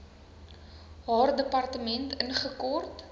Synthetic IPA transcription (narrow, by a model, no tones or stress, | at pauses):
ɦɑːrdəpɐrtəmɛntənχəkɔrt